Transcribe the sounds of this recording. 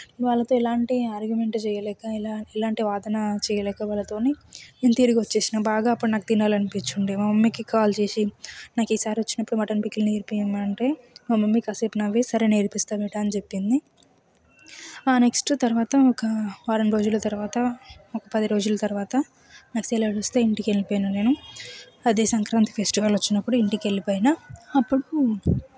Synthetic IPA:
ʋaːɭːɐt̪o̞ːilaːɳʈiaːɾɡjume̞ɳʈt͡ʃɛːjɐlɛːkailaːilaːɳʈiʋaːd̪ɐnɐt͡ʃɛːjɐlɛːkaʋaːɭːɐt̪o̞ːneeːnt̪iːɾukʋɐt͡ʃːe̞ːsinabaːɡaːɐpːuɽunaːkud̪inaːlɐnipit͡ʃːuɳɖimɐmɐmːikikaːlt͡ʃe̞ːsinaːkiːsaːɾiʋot͡ʃːinɐpːuɽumɐʈɐnpikːilneːɾpijɐmaɐɳʈe̞ːmɐmɐmːikɐseːpnɐʋːisɐɾeneːɾpist̪aːbɛʈaːnit͡ʃepːind̪i | aːne̞ksʈt̪ɐɾʋaːt̪ɐɔkɐʋaːɾɐɳɾo̞ːd͡ʒulːɐt̪ɐɾuʋaːt̪ɐɔkɐpɐd̪iɾo̞ːd͡ʒulːɐt̪ɐɾuʋaːt̪ɐ | nakseːlɐɐɽust̪eːiɳʈikielipoːjnɐne̞ːnu | ɐd̪e̞ːsɐŋkɾaːnt̪i̥pʰesʈiʋɐlʋot͡ʃːinɐpːuɽuiɳʈikelːipoːjinaːpːuɽu

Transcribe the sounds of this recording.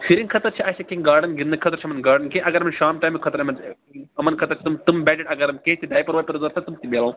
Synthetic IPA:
fʰiɾĩŋkʰɐt̪ɐɾt͡ʃʰiɐʃɐkẽɡaːɾɖɐnɡinnːɨkʰɐt̪ɐɾt͡ʃʰɐmɐnɡaːɾɖɐnkẽʔɐɡɐɾmɐnʃaːmʈaːjmikʰɐt̪ɐɾɐmɐn | ɐmɐnkʰɐt̪ɐɾt͡ʃʰi̥t̪umt̪umbɛːʈɐʈɐɡɐɾɐmkẽːt̪id̪aːjpɐɾʋaːpɐɾuzɐɾt̪ʰɐt̪umt̪ibelãː

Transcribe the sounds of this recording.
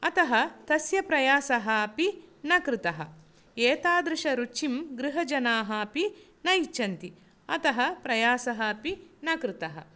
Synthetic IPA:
ɐt̪ɐɦɐt̪ɐsjɐpɾɐjaːsɐɦɐɐpinɐkɾɪt̪ɐɦɐ̰ | eːt̪aːd̪ɾɪʃɐɾut͡ʃimɡɾɪɦɐd͡ʒɐnaːɦɐɐpi | nɐjt͡ʃɐnt̪i | ɐt̪ɐɦɐpɾɐjaːsɐɦɐɐpinɐkɾɪt̪ɐɦɐ̰

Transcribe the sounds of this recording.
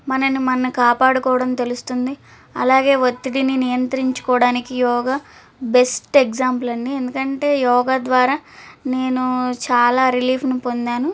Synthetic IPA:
mɐnɐnimɐnːukaːpaːɽukɔːʋɐɽɐmt̪e̞lust̪und̪i | ɐlaːɡe̞ːʋot̪ːiɽininijɐnt̪ɐɾiɲt͡ʃu̥kɔːɽaːnikijɔːɡaː | be̞sʈekd͡ʒaːmplɐɳɖiend̪ukɐɳʈe̞ːjɔːɡaːd̪ʋaːɾaːne̞ːnut͡ʃaːlaːɾiliːpnupo̞nd̪aːnu

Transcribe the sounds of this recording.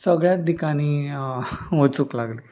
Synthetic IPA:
səɡɭjat̪̚d̪ikañiː | ʋot͡suklaɡleː

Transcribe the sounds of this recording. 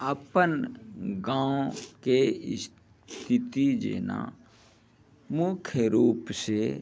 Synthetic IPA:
əpənɡãːõkes | t̪ʰɪt̪id͡ʒḛːna̰ | mʊkʰjəɾuːpse

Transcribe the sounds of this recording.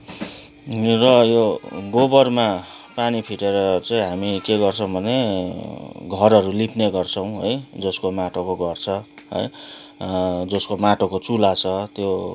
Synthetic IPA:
rʌjoɡobʌrma | panipʰiʈeɾʌt͡saĩɦamikeɡʌrt͡sʰʌ̃w̃bʱʌne | ɡʱʌrɦʌɾulipʰneɡʌrt͡sʰʌw̃ɦʌ̰jd͡zʌskomaʈʰokoɡʌrt͡sʰʌɦʌ̰j | d͡zʌskomaʈokot͡sulat͡sʰʌt̪jo

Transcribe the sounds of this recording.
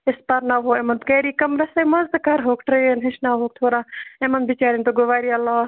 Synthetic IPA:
ɪspaɾnaːɦoːemɐnt̪keːɾiːkɐmɾɐsamɐzt̪ɐkaːɾɦoːkʈɾeenɦɪʃnaːɦoːk̚t̪ʰoːɾaːẽmɐnbit͡ʃaːɾint̪oɡoʋaːɾiɐlːaː

